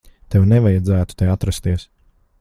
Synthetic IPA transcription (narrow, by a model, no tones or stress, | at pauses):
t̪ɛwnɛvajad̪zæːt̪u̥t̪ɛat̪ɾast̪iɛs